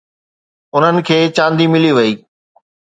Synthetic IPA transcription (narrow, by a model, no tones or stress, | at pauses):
ʊn̤ənɪ̆kʰeːt͡ɕãːnd̪imɪliʋɐiː